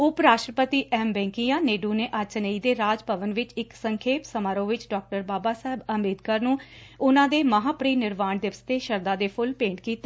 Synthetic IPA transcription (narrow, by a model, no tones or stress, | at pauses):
ʊpɾaːʃʈɾəpət̪iːʔɛːmbɛ̃ːŋkijãːneːɖuːneːʔat͡ʃnəiːd̪eːɾaːd͡ʒpəʋənʋɪt͡ʃɪksəŋkʰeːpsəmaːɾõːʋɪt͡ʃɖɔːk̚ʈəɾbaːbaːsaːɦɪbəmeːd̪kaːɾnũːʊnãːd̪eːməɦaːpɾiːnɪɾʋaːnd̪ɪʋəst̪eːʃəɾd̪aːd̪eːpʰʊlpẽːɳʈkiːt̪eː